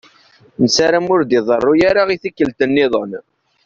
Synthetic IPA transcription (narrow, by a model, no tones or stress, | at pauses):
nəsaɾamʊɾd̪iðˤərˤːʊjaɾaʁiθikːəlt̪ənːɪðˤən